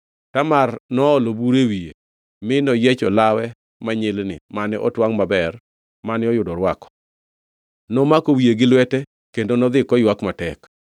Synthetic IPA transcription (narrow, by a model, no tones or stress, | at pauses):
tamarnɔːlobuɾewie | mɪnɔjet͡ʃɔlawɛ | maɲɪlnɪ̰manɪʔɔtwaŋmabɛr | manɪɔjʊdɔɾwakɔ̥ | nɔmakowieɡɪlwɛtɛ | kendonɔd̪ɪkɔjwakmatɛk